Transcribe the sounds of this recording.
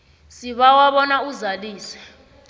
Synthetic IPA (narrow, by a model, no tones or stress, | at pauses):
siɓawaɓɔnauzaliːswɛ̥